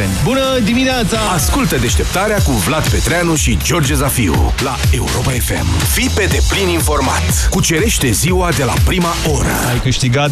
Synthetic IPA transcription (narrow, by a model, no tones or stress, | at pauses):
bunəd̪imineat̪saaskult̪əd̪e̞ʃt̪e̞p̚t̪aɾeakuvlad̪pe̞t̪ɾeanuʃid͡ʒo̞rd͡ʒezafiṵlae̞uɾo̞pae̞fe̞̰mfipe̞d̪e̞plininfo̞rma̰t̪kut͡ʃe̞ɾe̞ʃt̪e̞ziwad̪e̞la̰pɾimaʔo̞ɾə̰ajkɨʃt̪iɡat̪